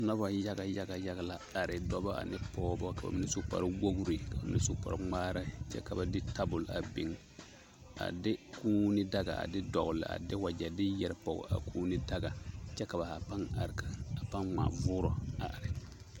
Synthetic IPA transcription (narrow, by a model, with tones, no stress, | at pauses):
na˦ba˨ja˦ɡa˨ja˦ɡa˨ja˦ɡa˨la˦˨a˨ɾɪ˨dɔ˦ba˦a̰˨nɛ˦pɔː˦bɔ˦ka˨ba̰˨mɪ˦nɛ˦so˦pa̰˨ɾwo˦ɡu˨ɾi˨ka˨ba˨mɪ˦nɛ˦so˦pa̰˨ɾŋ͡maː˦ɾa˦t͡ʃɛ̰˦ka˨ba˨dɪ˦ta˦bʊ˨la̰˨bi˨ŋ | a̰˨dɪ˦kuː˦nɪ˦da˦ɡa̰˨a̰˨dɪ˦dɔ˨ɣʊ˨lɪ̰˨a̰˨dɪ˦wa˨d͡ʒɛ˨dɪ˦jɛ˦ɾpɔ˨ɡɔ̰˨a̰˨kʰuː˦nɪ˦da˦ɡa˨t͡ʃɛ˦ka˨ba˨ha˨pa˦ŋa˨ɾka˨a˨pa˦ŋma̰ː˨vʊː˦ɾɔ˨a˨ʔa˨ɾɪ˨